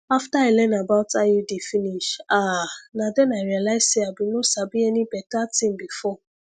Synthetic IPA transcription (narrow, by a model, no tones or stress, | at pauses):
aftailɛ̃nabawtajidefĩniʃanãdɛ̃naɹialaizseabĩnosabĩɛnĩbɛtatĩmbifɔ